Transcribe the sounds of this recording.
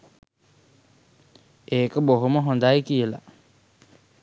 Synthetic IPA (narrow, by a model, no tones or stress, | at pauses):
eːkəboɦuməɦond̪ajkijəla̰